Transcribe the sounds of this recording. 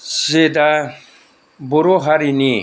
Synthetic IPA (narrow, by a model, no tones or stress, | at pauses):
z̥ed̪a | buɾoɦaɾini